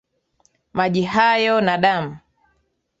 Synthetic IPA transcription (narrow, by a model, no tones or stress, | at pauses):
maʄiɦajɔnaɗam̩